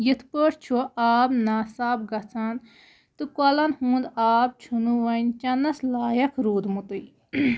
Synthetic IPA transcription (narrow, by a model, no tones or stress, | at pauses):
jit̪ʰpəɾt͡ʃʰuʔaːbnaːsaːbɡɐt͡sʰan | t̪ɨkɐlɐnhũːnd̪aːb̚t͡ʃʰunuʋɐnt͡ʃɐnɐslaːjɐkʰɾuːd̪mut̪ɨj